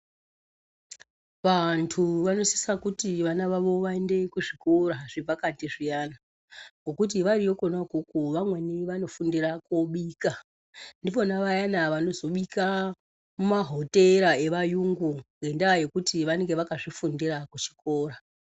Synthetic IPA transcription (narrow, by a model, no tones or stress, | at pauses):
ʋantʰuʋano̞si̥sakutiʋanaʋaʋo̞ʋaende̞kuʐiko̞ɾaʐ̥eb͡vakantiʐijana | ŋɡo̞kut̬iʋarijo̞ko̞nakukuʋamweniʋano̞fundirakoɓiːka | ndipo̞naʋajanaʋano̞zo̞ɓika | mumaɦo̞te̞ɾae̞ʋajuŋɡuŋɡe̞ndaje̞kutiʋane̞ŋɡe̞ʋakaʐifundirakut͡ʃi̥ko̞ːɾa